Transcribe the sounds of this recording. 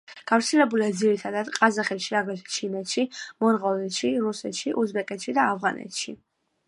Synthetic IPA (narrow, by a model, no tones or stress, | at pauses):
ɡ̥avɾt̪sʰɛlɛbuliad̪ziɾit̪ʰad̪ad̪̥qʼazaχɛt̪ʃiɾaɡɾɛt̪ʰɛ̥t͡ʃʰimɛt̪ʃimɔɾʁɔlɛt̪ʃiɾusɛt̪ʃiʔuzbɛkʼɛt̪ʃid̪aːvʁanɛ̰t̪ʃi